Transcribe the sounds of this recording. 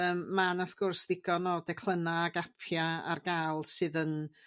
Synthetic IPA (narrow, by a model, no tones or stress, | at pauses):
əːmːanaθɡ̥ʊrsðɪɡ̥ɔnɔːdɛkʰlˠənaːɡapʰjaa̰rɡalˠsɨðən